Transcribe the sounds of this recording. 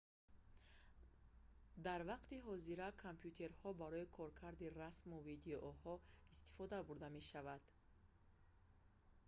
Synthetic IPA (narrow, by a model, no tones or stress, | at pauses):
d̪aɾvaqt̪iɦɔziɾakʰompʰjut̪ʰe̞ɾhɔbaɾɔikʰɔɾkʰaɾd̪irasmuvid̪eʔɔhɔist̪i̥fɔd̪abuɾd̪ame̞ʃavad̪̥